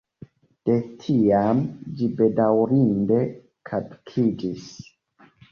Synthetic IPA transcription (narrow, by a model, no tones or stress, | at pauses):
d̥e̞tʰiamd͡ʒibe̞dawɾinde̞ | kʰapkʰid͡ʒis